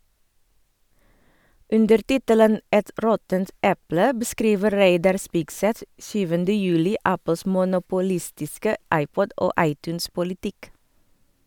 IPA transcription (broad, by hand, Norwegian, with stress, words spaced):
ˈʉndəɾ ˈtɪtələn ˈʔɛt ˈɾɔtənt ˈʔɛplə bəˈskɾiːʋə ˈɾeɪdɑɾ ˈspɪɡˌsɛθ ˈʃyːʋəndə ˈjʉːlɪ ˈʔæpəls mʊnʊpʊˈlɪstɪskə ˈʔɑɪˌpɔd ˈʔoː ˈʔɑɪˌtʉːnspʊlɪˌtɪk